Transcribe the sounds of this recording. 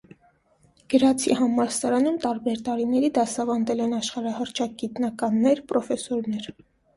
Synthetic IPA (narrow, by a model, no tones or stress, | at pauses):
ɡ̥əɾɑt͡sʰḭhɑmɑɾsɑɾɑnumt̪ɑɾbɛɾt̪ɑɾinɛɾid̪ɑsɑvɑnd̪ɛlɛnɑʃχɑɾɑhəɾt͡ʃʰɑk̚ɡit̪nɑkɑnːɛɾpɾɔfɛsɔɾnɛɾ